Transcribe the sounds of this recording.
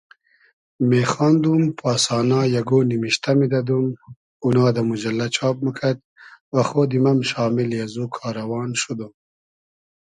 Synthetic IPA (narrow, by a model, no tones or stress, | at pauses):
meːxɑːnd̪umpʰɑːsɑːnaːjaɡoːnimiʃt̪amid̪ɐd̪um | unɑːd̪amud͡ʒɐlːat͡ʃʰɑːp̚məkʰat̪̚ | wɐxoːd̪imɐmʃɑːmiljazukʰɑːɾɐwɑːnʃud̪um